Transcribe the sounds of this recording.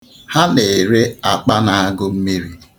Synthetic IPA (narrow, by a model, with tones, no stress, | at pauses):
ha˦ne˨ɾe˦a˨k͡pa˦na˨a˦ɡʊ˦m̩˦mi˦ɾi˨